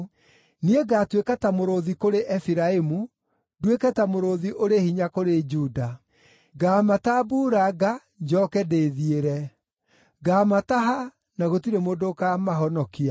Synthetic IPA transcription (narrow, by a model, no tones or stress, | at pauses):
nieɡaːtwekatamoɾoðikoɾeʔɛfiɾaemu | dwekɛtamoɾoðiʔoɾehiɲakoɾed͡ʒuːda | ɡaːmatabuːɾaɡa | d͡ʒɔːkɛdeðieɾɛ | ɡaːmataɦa | naɣotiɾemoːdokamaɦɔnɔkia